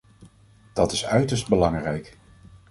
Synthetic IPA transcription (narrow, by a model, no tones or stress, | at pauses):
d̥ɑtɪsœɥtəɹsd̚bəlɑŋrɛjk